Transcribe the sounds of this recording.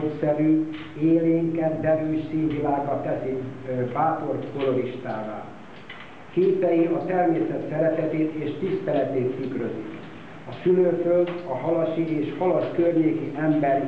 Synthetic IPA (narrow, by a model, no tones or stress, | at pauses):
sɛɾyː | eːleːŋkɛd̪d̪ɛɾyːʃsiːnvilaːɡɒt̪ːɛsibaːp̪o̞rk̪ko̞lo̞ɾiʃt̪aːva̰ː | keːsɛjiɒt̪ɛrmeːsɛt̪sɛɾɛt̪ɛt̪eːt̪eːʃt̪ist̪ɛlɛt̪eːt̪ːykrøzik | ɒsyløːføld̪ɒɦɒlɒʃieːʃhɒlɒʃkørɲeːkiʔɛmbɛr